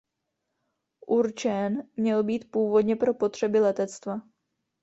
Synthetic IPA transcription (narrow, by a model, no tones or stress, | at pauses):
ʔuɾt͡ʃɛnmɲɛlbiːt̪puːvo̞dɲɛpɾo̞po̞t̪r̝̥ɛbɪlɛt̪ɛt͡st̪va